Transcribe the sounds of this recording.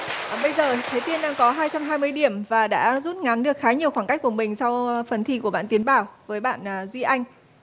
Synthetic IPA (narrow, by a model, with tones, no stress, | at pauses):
ɓə˧jzəː˨˩t̪ʰe˨˦t̪i˧ənɗaː˧ŋkɔ˨˦ɦaː˧jt͡ɕa˧mɦaː˧jmɨ˧əjɗi˧˩əmvaː˨˩ɗa̰ː˧˥zu˦˥t̚ŋa˨˦nɗɨ˨˩ək̚xaː˨˦ɲi˨˩əwxwaː˧˩nka˦˥jk̟̚ku˧˩əmï˨˩ŋ̟sa˧wfə˨˩nt̪ʰi˧˩ku˧˩əɓa̰ː˧˨nt̪i˨˦nɓaː˧˩wvəː˨˦jɓa̰ː˧˨nː˨˩zwi˧ʔa˧jŋ̟